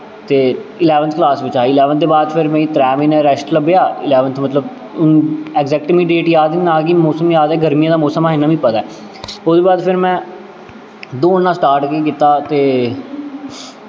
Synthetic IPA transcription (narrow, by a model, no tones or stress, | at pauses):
t̪eːɪlɛːʋənt̪ʰklaːsʋɪt͡ʃaːiːɪlɛːʋənd̪eːbaːd̪pʰɪɾmɛ̃ːĩt̪ɾɛːmĩːnɛ̃ːɾɛsʈləbejaːɪlɛːʋənt̪ʰmət̪ləb | ʊnɛːɡzɛːk̚ʈmĩɖeːʈjaːd̪inãːkimoːsəmjaːd̪ɛːɡəɾmijãːd̪aːmoːsəmaːɦɪnaːʋĩːpət̪aɛː | ʊsd̪eːbaːd̪pʰɪɾmɛ̃ː | d̪oːnːãːsʈaːɾʈkeːkɪt̪aːt̪eː